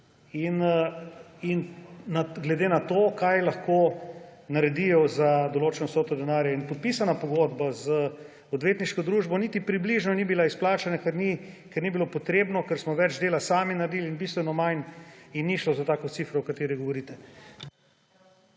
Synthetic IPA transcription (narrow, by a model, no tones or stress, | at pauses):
in | inaɡlɛd̪eːnat̪oːkajlaxkonaɾɛd̪ijɔzad̪oloːt͡ʃɛnɔsoːt̪ɔd̪ɛnaːɾjainpot̪̚piːsanapoɡod̪bazə | od̪ʋeːt̪niʃkɔd̪ɾuːʒbɔnit̪ipɾibliʒnɔnibilaisplaːt͡ʃanakɛɾnikɛɾnibilopot̪ɾeːbnɔkɛɾsmɔʋɛd͡ʒd̪eːlasaːminaɾed̪iːlinbist̪ʋɛnɔmajninːiʃlɔzat̪aːkɔt̪sifɾɔwkat̪eːɾiɡoʋoɾit̪ɛ